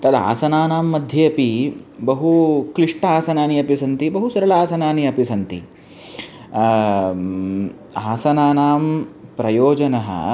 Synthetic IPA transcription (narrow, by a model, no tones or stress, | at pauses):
t̪ɐd̪a̰ːsɐnaːnaːmːɐd̪ʱjeːɐpibɐɦukɾiʂʈɐaːsɐnaːniɐpisɐnt̪ibɐɦusɐɾɐlaːsɐnaːniɐpisɐnt̪ḭ | aːsɐnaːnaːmpɾɐjoːd͡ʒɐnɐɦɐ̰